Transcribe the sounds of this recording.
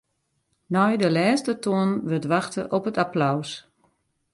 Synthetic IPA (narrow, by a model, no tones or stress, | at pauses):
nɔjdəlɛːstətʰoənʋətʋaxtəʔɔpətaplaws